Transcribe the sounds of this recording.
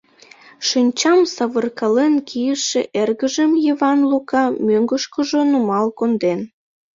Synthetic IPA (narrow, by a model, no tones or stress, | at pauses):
ʃinʲt͡ɕɑmsɑβərkɑlenkʰijəʃeʔerɣəʒəmjiβɑnlukɑmøŋɡəʃkəʒonumɑlkond̪en